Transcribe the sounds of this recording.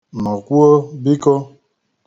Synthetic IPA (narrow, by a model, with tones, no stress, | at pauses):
mɔ˨ku˦o˦bi˦kɔ˦